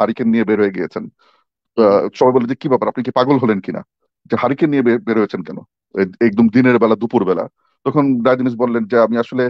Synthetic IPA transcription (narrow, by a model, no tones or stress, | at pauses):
ɦaɾikenijebeɾɦojeɡiḛt͡ɕʰen | ʃɔbajboled͡ʑekibɛpaɾapnikepaɡolɦolenkina̰ | d͡ʑeɦaɾikenijebebeɾɦojet͡ɕʰenkɛno̰ | eek̚d̪omd̪ineɾbɛlad̪upuɾbɛla̰ | t̪ɔkʰonɖajd̪imiʃ̬bolːend͡ʑeamiaʃole